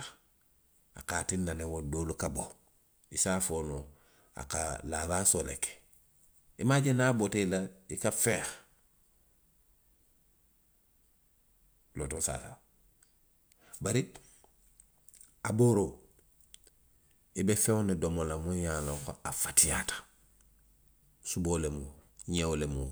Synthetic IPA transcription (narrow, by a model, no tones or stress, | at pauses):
a̰kaːtinːanewodoːlukabo | isaːfoːno | a̰kalaɾaːsoleke̥ | imaɟenaːbotelaikafeːx | loːtosa̰ːsa̰ | baɾi | aboːɾo | ibefeonidomolamujaloŋko̰afḁtijatḁ | suboːlemuɲewolemu